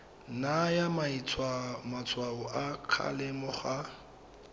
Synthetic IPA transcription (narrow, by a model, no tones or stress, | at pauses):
najamait͡sʰwamat͡sʰwaʊʔakʰa̰lɪmʊχa